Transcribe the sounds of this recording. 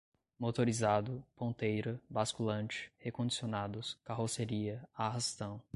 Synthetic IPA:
mot̪oɾizad̪ʊpõnt̪ejɾɐbaskulɐ̃t͡ʃɪ̥hekõd͡ʒisionad̪ʊskaɦoseɾiɐaɦast̪ɐ̃w̃

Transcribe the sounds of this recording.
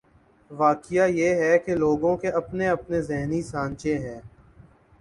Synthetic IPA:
ʋaːkɪjajeɦɛkeloːɡõkeʔɐpneɐpnezɛɦnisãːnt͡ʃẽɦɛ̃ː

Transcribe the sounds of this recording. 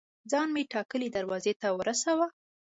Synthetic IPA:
d͡zɑnmeʈɑkəlid̪aɾwɑzet̪awəɾasawa

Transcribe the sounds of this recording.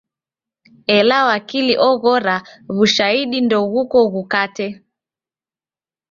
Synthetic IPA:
ɛlawakiliʔɔɣɔɾaβuʃaiɗindɔɣukɔɣukatɛ

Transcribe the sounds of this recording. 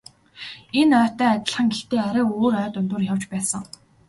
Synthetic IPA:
enœːt̪œːat̪ʲɪ̆ɮχə̆ŋɡext̪eːaɾaːoːɾœːt̪ɵnt̪ʊ̆ːrjaw̥t͡ɕpæːsə̆ŋ

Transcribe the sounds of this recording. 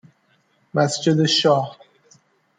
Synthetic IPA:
mæsd͡ʒed̪eʃɒːh

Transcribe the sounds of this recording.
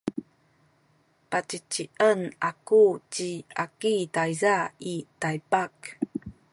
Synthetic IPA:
pat͡ɕit͡ɕiʔənakut͡ɕiakitajzaitajpak

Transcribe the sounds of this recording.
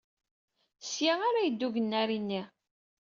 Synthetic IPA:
sjaaɾajəd̪ːuʝənːæɾinːi

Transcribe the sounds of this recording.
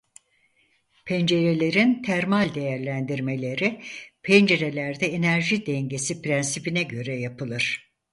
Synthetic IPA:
pʰɛnd͡ʒe̞ɾe̞lʲe̞ɾint̪ʰæɾmalʲd̪e̞jæɾlʲænd̪iɾme̞lʲe̞ɾipʰɛnd͡ʒe̞ɾe̞lʲæɾd̪ɛenæɾʒid̪ɛɲɟe̞sipʰɾɛnsipinɛɟø̞ɾɛjapɯlˠɯɾ̥

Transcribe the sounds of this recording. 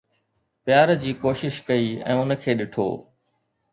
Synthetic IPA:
pjaːɾd͡ʑiːkoːʃɪʃkɐiːɛ̰̃ːʊnə̆kʰeːɗɪʈʰo̰ː

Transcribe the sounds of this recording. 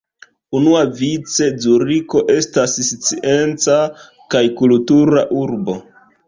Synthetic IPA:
unuavit͡se̞zuɾiko̞ʔe̞stasst͡siʔe̞nt͡sa | kajkultuɾaʔuɾbo

